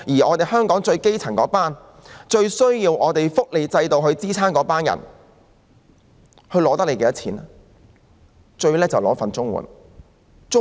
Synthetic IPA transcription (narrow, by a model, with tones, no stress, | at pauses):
jiː˨˩ɔː˨˧t̪e˨˩jɦœː˥ŋkɔː˨˥ŋt͡ʃɵ˧ɥke˥jt͡sʰɐ˨˩ŋkɔː˨˥paː˥n | t͡ʃɵ˧ɥsɵ˥ɥjiː˧wʔɔː˨˧t̪e˨jfʊ˥k̚le˨˧jt͡sɐ˧jt̪o˨wɦɵ˧ɥt͡siː˥t͡sʰaː˥nkɔː˨˥paː˥njɐ̰˨˩n | hɵ˧ɥlɔː˨˧˥t̪ɐ˥k̚le˨˧jkɛː˧˥jɐ˥t͡sʰiː˨˥nɛ˥ | t͡ʃɵ˧ɥlɛː˥t͡sɐ˨wlɔː˨˥fɐ˨nt͡sʊ˥ŋwṵ˨˩n | t͡sʊ˥